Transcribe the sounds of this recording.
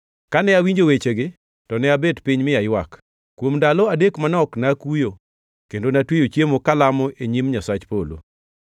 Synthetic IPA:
kanɛawiɲd͡ʒowet͡ʃeɡɪ | tɔnɛabedpiɲmɪjajwak | kwomdalɔadekmanɔknakujo | kendonatwejot͡ʃjemokalamɔeɲimɲasat͡ʃpolo̰

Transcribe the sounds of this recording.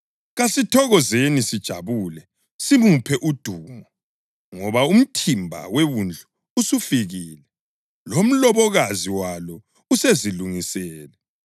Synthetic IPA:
ɣasitʰɔɣɔzenisid̥ʒ̥ʱa̰βulɛ | simupʰɛʔud̥ʱuːmɔ | ŋɔβaum̩tʰimbʱa̰weβund͡ɮʱuː | sufiɣiːlɛ | lom̩lɔβɔɣaziwalɔ | useziluŋisɛːlɛ

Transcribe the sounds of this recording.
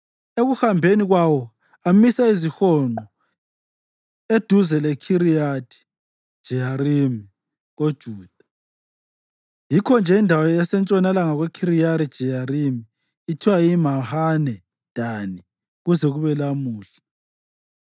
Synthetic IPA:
eɣuhambʱeniɣwawɔ | amisaizixɔŋ͡ǃɔ | ed̥ʱuzɛlɛkʰiɾijatʰʼi̥ | d̥ʒ̥ʱɛjaɾimi | ɣod̥ʒ̥ʱuːd̥ʱa | jikʰɔnd͡ʒʱɛindʱawɔjɛsɛnt͡ʃʼɔnalaŋaɣwɛkʰiɾijaɾid̥ʒ̥ʱɛjaɾimiː | tʰiwaimahanɛ | d̥ʱani | ɣuzɛɣuβɛlamuːɬḁ

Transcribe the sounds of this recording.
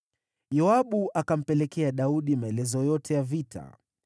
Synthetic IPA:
jɔaɓuʔakam̩pɛlɛkɛaɗauɗimaɛlɛzɔjɔtʰɛjavitʰa̰

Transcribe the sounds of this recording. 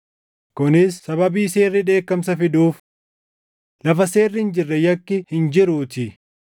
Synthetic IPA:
kʊnɪsːɐbɐbiːse̞ːrːɪᶑe̞ːkːɐmsɐfɪduːf | lɐfɐse̞ːrːɪɪnd͡ʒɪrːɛjɐkːɪhɪnd͡ʒɪɾuːt̪ɪ

